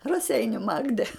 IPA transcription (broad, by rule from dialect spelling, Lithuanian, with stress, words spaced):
rɐˈsʲɛɪnʲʊ ˈmɑːɡdʲɛ